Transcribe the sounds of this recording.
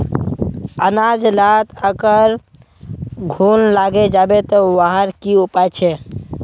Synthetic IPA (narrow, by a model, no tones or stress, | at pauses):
ənad͡ʒlat̪əɡəɾ | ɡʱunlaɡed͡ʒabet̪ɔwaɦəɾkiupajt͡ʃʰɛ